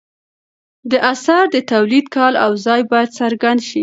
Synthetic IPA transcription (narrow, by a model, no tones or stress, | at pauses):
d̪əʔasaɾd̪ət̪awlid̪kɑlawzɑjbɑjad̪saɾɡand̪ʃi